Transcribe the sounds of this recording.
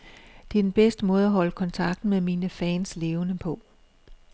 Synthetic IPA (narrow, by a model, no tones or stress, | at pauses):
d̥e̝æd̥enb̥esd̥əmɔ̽ːð̞̩ˠɐɦɒ̽ləkʰɒ̽nt͡sʰɑ̈ɡ̥̚d̥n̩meðˠmiːnəfɛ̰ːnsle̝ːʊnəpʰɒ̽